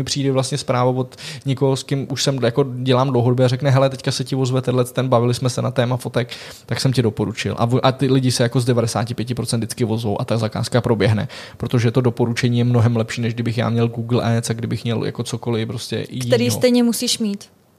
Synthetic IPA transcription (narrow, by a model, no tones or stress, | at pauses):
mɪpr̝̥iːdɛvlast̪ɲɛspɾaːvovo̞t̪ɲɛkoɦoskɪmʔuʃsɛmjako̞ɟɛlaːmdlowɦodobjɛarɛknɛɦɛlɛt̪ɛckasɛcɪvozvɛt̪ɛnlɛt̪t̪ːɛnbavɪlɪsmɛsɛnat̪ɛːmafo̞t̪ɛk | t̪aksɛmcɪdo̞po̞ɾut͡ʃɪ̰lʔa̰vʔat̪ɪlɪɟɪsɛjako̞zdɛvadɛsaːcɪpjɛc̬ɪpɾot͡sɛnd̪̚dɪt͡skɪvo̞zvowʔa̰t̪azaka̰ːskapɾo̞bjɛɦnɛ̰pɾot̪o̞ʒɛt̪o̞do̞po̞ɾut͡ʃɛɲiːjɛmnoɦɛmlɛpʃiːnɛʒɡdɪbɪxja̰ːmɲɛlɡuːɡl̩ʔɛːt͡saɡdɪbɪxmɲɛlja̰ko̞t͡so̞ko̞lɪpɾo̞scɛ̰iɛɾiːsɛjɲɛmusiːʃmiːt̪